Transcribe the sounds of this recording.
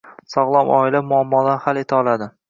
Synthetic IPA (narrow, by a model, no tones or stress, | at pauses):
sɒʁlˠɒmʔɒ̰ɪlamʊamːɒd̪anhalet̪ʰaɒlˠad̪ɪ